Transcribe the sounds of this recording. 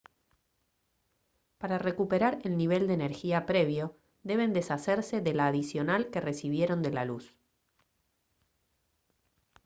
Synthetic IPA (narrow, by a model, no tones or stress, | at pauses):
paɾare̞kupeɾaɾelniβ̞e̞ld̪eːneɾxiapɾe̞β̞jo̞ | ðe̞β̞e̞nd̪e̞saseɾse̞ðe̞laːðisjo̞nalke̞re̞siβje̞ɾo̞nd̪e̞lalus